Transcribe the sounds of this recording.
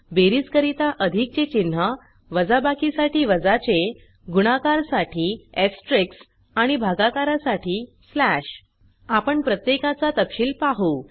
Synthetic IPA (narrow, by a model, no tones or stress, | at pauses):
beɾiːt͡skəɾit̪aʔəd̪ʱik̚t͡ɕet͡ɕin̤ːə | ʋəd͡zabakisaʈiːʋəd͡zat͡ɕe | ɡuɽ̃akaɾsaʈʰiːeksʈɾiks | aɽ̃ibʱaɡakaɾasaʈʰiː | slæɕ | apəɳpɾət̪jekat͡sat̪əpɕiːlpaɦu